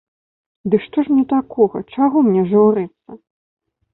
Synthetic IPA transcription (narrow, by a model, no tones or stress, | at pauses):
d̪ɨkʂt̪ɔʂnʲɛt̪akɔɣɐ̰t͡ʂaɣɔmnʲɛʐɨwɾɨt̪sːɐ